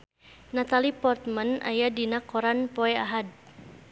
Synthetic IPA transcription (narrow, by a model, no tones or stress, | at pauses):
nat̪alipɔrt̪manʔa̰jadinakːɔɾanpɔɛaɦad̚